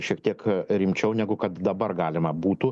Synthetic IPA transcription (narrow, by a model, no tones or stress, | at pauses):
ʃʲiɛk̚t̪ʲiɛkɾʲɪmʲt͡ʃʲɛʊnʲæɡʊkɐt̪d̪ɐbɐrɡɑːlʲɪmɐbuːt̪uː